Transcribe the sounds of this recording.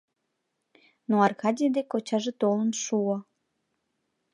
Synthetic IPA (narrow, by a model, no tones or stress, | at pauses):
noɑrkɑdʲijd̪ekot͡ɕɑʒet̪olənʃuo